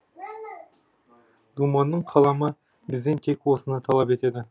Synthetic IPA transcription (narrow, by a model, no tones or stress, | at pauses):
d̪umɑnːəɴqʰɑlˠɑmə | bɪzd̪e̞nt̪ʰe̞kwo̞sənət̪ʰɑlˠɑpe̞t̪e̞d̪ɪ